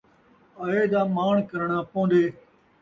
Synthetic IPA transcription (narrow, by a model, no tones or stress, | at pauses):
əɦeːd̪aːmaːɳkəɾɳaːpõːnd̪eː